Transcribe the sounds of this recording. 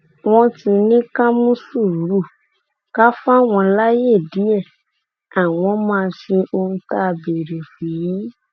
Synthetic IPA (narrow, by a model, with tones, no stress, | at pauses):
w̃ɔ̃˧ti˧nĩ˦ka˦mũ˦su˦˨ɾu˨˦ɾu˦˨ | ka˦fa˦˨w̃ɔ̃˧la˦je˦˨di˨˦ɛ˦˨ | a˨w̃ɔ̃˨˦mãː˦˧˦ʃe˧ʔo˧hũ˧ta˦˧be˨ɾe˨fi˨ji˨˦